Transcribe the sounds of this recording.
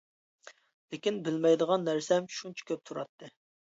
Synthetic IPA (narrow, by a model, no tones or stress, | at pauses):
lɪkʲinbɪlmɛjd̪əʁɑnːæɾsɛmʃunt͡ʃʰɛ̥kʲøp̚t̪ʰuɾɑ̰t̪ʰːɨ